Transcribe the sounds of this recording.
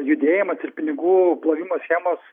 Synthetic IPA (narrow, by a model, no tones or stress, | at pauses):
jʊd̪ʲeːjɪmɐsɪɾpʲɪnʲɪɡuːplˠɐʋʲiːmoːsʲxʲæːmoːs